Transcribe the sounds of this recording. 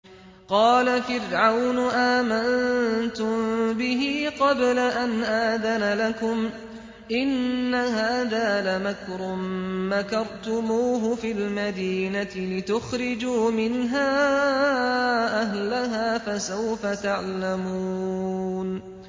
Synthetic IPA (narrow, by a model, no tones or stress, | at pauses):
qɑːlafɪrʕawnʊʔaːmannt̪ʊmbɪɦiːqɑblaʔanʔaːðanalakʊm | ʔɪnːahaːðaːlamakɾˤʊmːakɑɾˤt̪ʊmuːɦʊfiːlmad̪iːnat̪ɪlɪt̪ʊxɾɪd͡ʒuːmɪnɦaː | ʔaɦlaɦaːfasawfat̪aʕlamuːn